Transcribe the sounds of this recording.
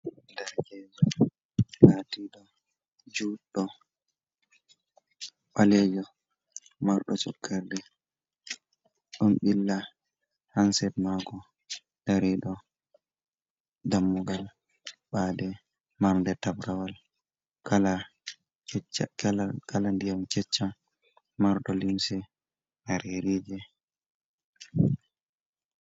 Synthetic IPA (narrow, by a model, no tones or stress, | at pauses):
daɾɛlɛd͡ʒɔ | latiɗɔ | d͡ʒuːɗːɔ | ɓalɛd͡ʒɔ | maɾɗɔt͡ʃɔkʰːɛɾdɛ | ɗɔnɓilːa | hansɛdmaɡɔ | d̥aɾiɗɔ | damːuɡal | ɓadɛ | maɾndɛtabɾawal | kala | ɛt͡ʃkkalandijamt͡ʃɛt͡ʃːa | maɾɗɔlimsɛ | maɾeɾid͡ʒɛ